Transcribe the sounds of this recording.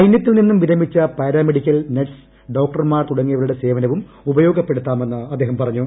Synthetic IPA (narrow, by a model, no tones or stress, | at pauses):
ɐjnjɐt̪ːilninːumʋiɾɐmit͡ɕːɐpɐjɾaːmeɽikʲːɐlneʈs | ɖo̞ːk̚ʈɐrmaːrt̪uɽɐŋːijɐʋɐɭuɽe̞se̞ːʋɐnɐʋum | ubɐjo̞ːɡɐpːe̞ɽut̪ːaːmenːɨɐd̪ːeɦɐmpɐrɐɲːu